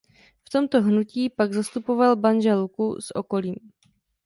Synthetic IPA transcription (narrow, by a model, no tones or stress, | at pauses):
ft̪o̞mt̪o̞ɦnuciːpaɡzast̪upo̞valbanʒɛlkṵsʔo̞ko̞liːm